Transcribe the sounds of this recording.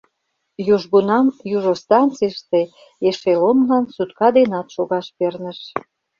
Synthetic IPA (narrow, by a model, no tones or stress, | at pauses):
juʒɣunɑmjuʒost̪ɑnt͡siʃt̪e | eʃelonlɑnsut̪kɑd̪enɑt̪ʃoɣɑʃpernəʃ